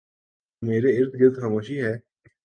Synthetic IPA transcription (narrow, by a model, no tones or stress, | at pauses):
meːɾeɪɾt̪ɡɪlt̪xamoːʃiɦɛː